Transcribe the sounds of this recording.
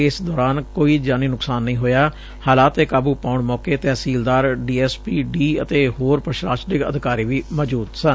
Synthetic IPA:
ɪsd̪ɔːɾaːnkoːiːd͡ʒaːniːnʊksaːnːəĩːɦoːjaː | haːlaːt̪eːkaːbuːpaːʊɳmɔːkeːt̪ɛːsiːld̪aːɾɖiːɛːspiːɖiːət̪eːɦoːɾpɾəʃɾaːʃnɪkə̰d̪ɪkaːɾiːʋiːmɔːd͡ʒuːt̪sən

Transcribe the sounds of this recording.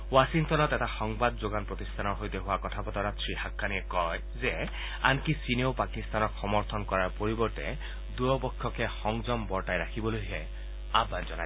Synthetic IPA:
wasiŋtɔnɔt̪ɛtaxɔŋbad̪zoɡanpɹot̪ist̪ʰanɔɦojt̪eɦʊakɔt̪ʰapɔt̪ɔɾasɹihakʰːaniekɔj | ze | a̰nkisinewpakist̪anɔkxɔmɔɾt̪ʰɔnkɔɹaɹpoɹibɔɹtḛ | d̪ujɔpɔkʰːjɔkexɔŋd͡ʒɔmbɔɹʈajɾakʰibɔlojɦe | abːand͡ʒɔna

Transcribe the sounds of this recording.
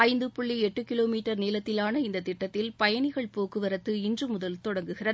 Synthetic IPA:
ɐɪnd̪ɯpʊɭːiɛʈːɯkːɪloːmiːʈːɐɾneːlɐt̪ːɪlaːnɐɪnd̪ɐt̪ɪʈːɐt̪ːɪlpɐjɐɳɪɣɐɭpoːkɯʋɐɾɐt̪ːɯɪndrɯmʊðɐlt̪ɔɽɐŋɡɯɣɪrɐð

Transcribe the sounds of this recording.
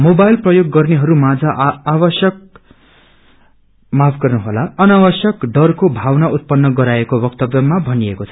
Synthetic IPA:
mobajlprʌjoɡːʌrneɦʌɾumad͡zʱaʔːbʌsjʌk̚ | mapʰɡʌrnuɦolaʌnawʌsjʌkɖʌrkobʱawnaʔut̪̚pʌnːʌɡʌɾaekobʌk̚t̪ʌbʌmabʱʌniekot͡sʰʌ

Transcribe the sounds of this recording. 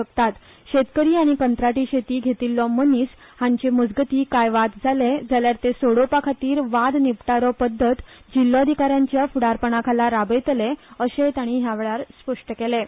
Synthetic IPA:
əkt̪at̪ | ɕet̪kəɾiːaɽ̃ikənt̪ɾaʈiːɕet̪iːɡʱet̪ilːɔməniːshãɲt͡ɕeməd͡zɡət̪iːkajʋad̪d͡zʱaled͡zaljaɾt̪esoɽopakʰat̪iːɾʋad̪nipʈaɾɔpəd̪ʱːət̪d͡ʑilːɔəd̪ʱikaɾjãɲt͡ɕjafuɽaɾpəɳ̃akʰalaɾabəjt̪leəɕet̪jaɽ̃iːɦjaʋeɭaɾspəʂʈəkele

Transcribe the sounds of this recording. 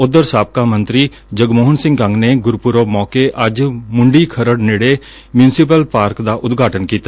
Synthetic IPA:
ʊd̪əɾsaːp̚kaːmə̃nt̪ɾiː | d͡ʒəɡmoːɦənsɪ̃ŋɡkə̃ŋɡneːɡʊɾpʊɾoːmɔːkeʔəd͡ʒmʊɳɖiːkʰəɾəɽneːɽeː | mjũːnsɪpəlpaːɾkd̪aːʔʊd̪ɡʱaːʈənkiːt̪a

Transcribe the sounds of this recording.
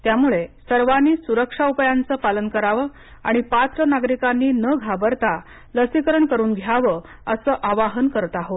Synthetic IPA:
t̪jamuɭesəɾʋanːiːsuɾəkʂaupjant͡səːpalənkəɾaʋə | a̰ɽ̃ipat̪ɾənaɡɾikanːiːnəɡʱabəɾt̪a | ləsikəɾəɳkəɾuːnɡʱjaʋə | əsəːʔaʋaɦənkəɾt̪aɦo

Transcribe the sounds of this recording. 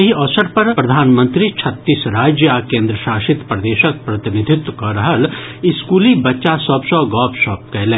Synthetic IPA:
jɐɦiɔːsəɾpɐɾpɾɐd̪ʱaːnmə̃nt̪ɾit͡ʃʰɐt̪ːiːsɾaːd͡ʒjəaːkẽːnd̪ɾəʃaːʃɪt̪pɾɐd̪eːʃək̚pɾɐt̪ɪnɪd̪ʱɪt̪kɐɾɐɦəlɪskuːlibɐtːʃasɔbsɔɡɔːpʃɔːp̚kɐlẽː

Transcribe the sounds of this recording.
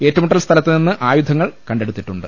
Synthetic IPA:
e̞ːtːɐmuʈːɐlst̪ʰɐlɐt̪ːininːɨʔaːjud̪ʱɐŋːɐɭkɐɳɖe̞ɽut̪ːiʈːuɳɖɨ

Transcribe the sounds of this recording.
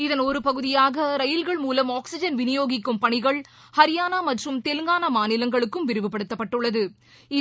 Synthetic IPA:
ɪðɐnɔɾɯpɐɣɯðɪjaːɣɐɾɐjɪlɣɐɭmuːlɐmaːksɪd͡ʒɐnʋɪnɪjoːɣɪkːɯmpɐɳɪɣɐɭ | hɐɾɪjaːnaːmɐʈrɯmt̪ɛlɯŋɡaːnɐmaːnɪlɐŋɡɐɭɯkːɯmʋɪɾɯʋɯpɐɽɯt̪ːɐpːɐʈːɯɭːɐðɯ | ɪ

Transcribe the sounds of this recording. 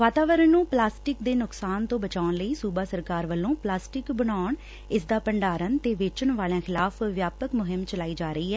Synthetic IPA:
ʋaːt̪aːʋəɾənːũːplaːsʈɪkd̪eːnʊksaːnt̪õːbət͡ʃaːʊnləiːsuːbaːsəɾkaːɾʋəlːõːplaːsʈɪkbənaːʊɳ | ɪsd̪aːpəɳɖaːɾənt̪eːʋeːt͡ʃəɳʋaːljãːxʰɪlaːpʰʋjaːpəkmʊɦɪmt͡ʃəlaːiːd͡ʒaːɾəiːɦɛː

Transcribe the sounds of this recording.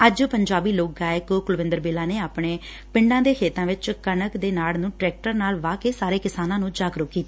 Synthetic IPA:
əd͡ʒpəɲd͡ʒaːbiːloːk̚ɡaːɪkokʊlʋɪ̃nd̪əɾbeːlaːneːaːpɳeː | pɪ̃ɳɖãːd̪eːkʰeːt̪ãːʋɪt͡ʃkənəkd̪eːnaːlnũːʈɾɛːk̚ʈəɾnaːlʋaːkeːsaːɾeːkɪsaːnãːnũːd͡ʒaːɡɾʊkkːiːt̪aː

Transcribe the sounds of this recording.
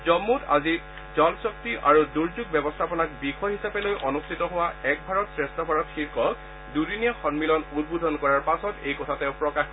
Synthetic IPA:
zɔmːuta̰zi | zɔlsɔk̚tiʔaɹuduɹzuɡ̚bɛbɔstʰapɔnakbikʰɔjɦisapɛlojʔɔnustʰitɔɦʊwaɛk̚bʱaɹɔtsɹɛstɔpaɹɔtxiɹkʰɔk | dudiniɔxɔnmilɔnud̚bud̪ʱɔnkɔɹaɹpasɔtḛjkɔtʰatɛʊpɹɔkax

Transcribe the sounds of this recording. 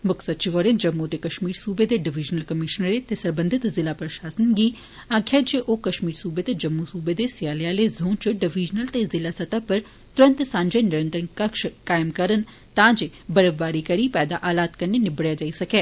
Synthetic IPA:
mʊksətːt͡ʃiʋɔːɾend͡ʒəmːuːt̪eːkəʃmiːɾsuːbeːd̪eːɖɪʋɪd͡ʒnəlkəmɪʃənɾeːt̪eːsəɾbə̃nd̪ʱɪt̪zɪlaːpɾəʃaːsənɡiː | aːɡʰjaːd͡ʒeːʔoːkəʃmiːɾsuːbeːt̪eːd͡ʒəmːusuːbeːd̪eːsɪjaːlɪjaːleːzʱũːnt͡ʃəɖɪʋɪd͡ʒnəlt̪eːzɪlaːsət̪apəɾ | t̪ʊɾə̃nt̪sãːɲd͡ʒeːnɪɾə̃nt̪ɾənkəkʃkaːɪmkəɾən | t̪ãːd͡ʒebəɾəʋbaːɾiːkəɾiːpɛːd̪aːʔaːlaːt̪kəneːnɪbɽjaːd͡ʒaːisəkɛː

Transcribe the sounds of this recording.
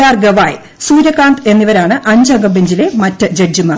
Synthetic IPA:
aːrɡɐʋaːj | suːɾɐkːaːnd̪e̞nːiʋɐɾaːɳɨʔɐɲd͡ʑɐŋɡɐbiɲd͡ʑile̞mɐtːɐd͡ʑed͡ʑumːɐ

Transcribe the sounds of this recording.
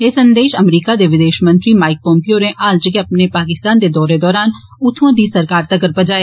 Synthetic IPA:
eːsə̃nd̪eːʃəmɾiːkad̪eʋɪd̪eːʃmə̃nt̪ɾimaːɪk̚pɔ̃ːmpioːɾẽʔaːld͡ʒɪkeɐpnepaːkɪst̪aːnd̪ed̪ɔːɾed̪ɔːɾaːn | ʊt̪ʰõd̪iːsəɾkaːɾt̪əɡəɾpɐd͡ʒaːje

